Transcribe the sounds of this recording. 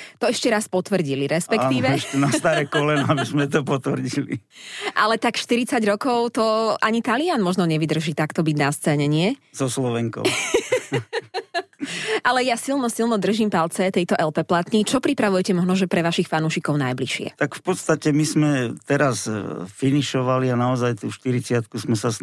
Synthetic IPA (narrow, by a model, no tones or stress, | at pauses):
t̪ɔɛʃcɛɾaspɔt̪ʋr̩ɟiliɾɛspɛkt̪iːʋɛʃt̪unast̪aɾɛkɔlɛnabizmɛt̪ɔpɔt̪ʋr̩ɟilḭʔalɛt̪akʃt̪iɾit͡saɟɾɔkɔʊt̪ɔʔaɲit̪alianmɔʒnɔɲɛʋid̪r̩ʒiːt̪akt̪ɔbiɟnast͡sɛɲɛɲɪɛzɔslɔʋɛŋkɔ̰ | ʔalɛjasilˠnɔsilnɔd̪r̩ʒimpalt͡sɛt̪ɛjt̪ɔʔɛlpɛplat̪ɲit͡ʃɔpɾipɾaʋujɛcɛmɔʒnɔʒɛpɾɛʋaʃixfanuːʃikɔʊnajbliʃɪɛ̰t̪akfpɔt̪st̪acɛmizmɛt̪ɛɾasfiniʃɔʋalianaɔzajt̪uʃt̪iɾit͡sɪat̪̚kusmɛsas